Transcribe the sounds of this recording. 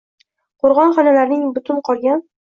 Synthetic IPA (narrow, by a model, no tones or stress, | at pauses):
qʰoɾʁɒnχɒnalaɾnɪŋbʊt̪ʰʊnqʰɒlˠɡʲan